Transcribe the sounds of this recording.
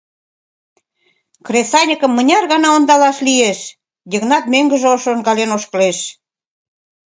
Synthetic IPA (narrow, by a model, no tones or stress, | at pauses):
kresɑnʲəkə̆mːənʲɑrɣɑnɑond̪ɑlɑʃlieʃ | jʲeɣnɑt̪møŋɡə̆ʒeoʃonɡɑlenoʃkəleʃ